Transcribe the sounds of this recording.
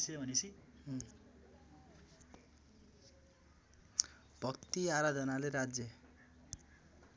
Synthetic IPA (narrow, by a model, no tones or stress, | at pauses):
sʰebʱʌnisi | b̥ʱʌkt̪iaɾad̪ʱʌnaleɾad͡zjʌ